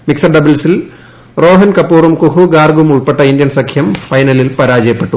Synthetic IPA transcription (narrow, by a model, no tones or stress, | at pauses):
miksɐrɖɐbilsil | roːɦɐnkɐpːuːrumkuɦuɡaːrɡumuɭpeʈːɐind̪jɐnsɐkʰjɐmfɐjnɐlilpɐɾaːd͡ʑɐjɐpːeʈːu